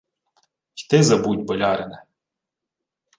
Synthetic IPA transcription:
xʲt̪ɪzɐbutʲbɔlʲɑɾɪnɛ

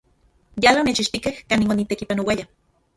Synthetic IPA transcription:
jalanet͡ʃiʃt̪ikehkaːniŋonit̪ekipanowaja

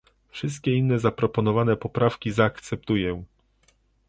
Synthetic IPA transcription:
fʂɘs̬t̪̚kʲɛinːɛzapɾɔpɔnɔvanɛpɔpɾafkʲizaːkt̪sɛp̚t̪ujɛ̃

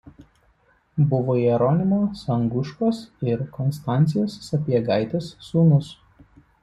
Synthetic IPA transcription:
bʊʋoːiɛɾɔnʲɪmoːsɐŋɡʊʃkoːsɪɾkɔnst̪ɑˑnʲt̪sʲɪjoːsːɐpʲiɛɡɑˑɪt̪ʲɛsːuːnʊs

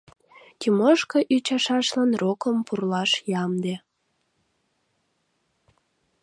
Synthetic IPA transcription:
kʲiməʃkəʔyt͡ɕɑʃɑʃlɑnrokəmpurlɑʃjɑmd̪e

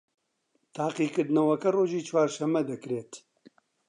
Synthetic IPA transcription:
t̪ʰaːqiːkɨɾd̪nɐwɐkɐroːʒiːt͡ʃʰwaːɾʃɐmɐd̪ɨkɾeːt̪

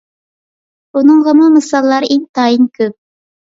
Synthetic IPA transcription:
unɨŋʁəmɑmɨsɑlˠːɑɾʔeŋt̪ʰɑːjinkʲʰøp̚

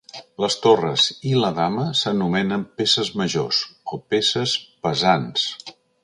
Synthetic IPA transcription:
ləst̪orəziləðaməsənumɛnəmpesəzməʒosopesəspəzans

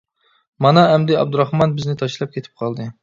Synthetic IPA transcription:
mɑnɑɛmd̪ɪɑ̰b̚d̪uɾɑχmɑnbɪznɪt̪ʰɑʃlˠɑp̚kʲʰet̪ʰɪ̥p̚qʰɑlˠd̪ɨ

